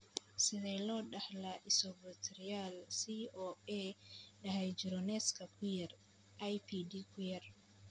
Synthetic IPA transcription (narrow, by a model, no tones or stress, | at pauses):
sɪðɛːlɔːɖɐhlɐʔɪsɔbɐt̪ʰɛɾɪjaːlsiːʔɔːɛːɖɐɦɛjd͡ʒɪɾɔnɛskʰɐkʰʊjɐr | ʔɐjpʰiːdiːkʰʊjɐr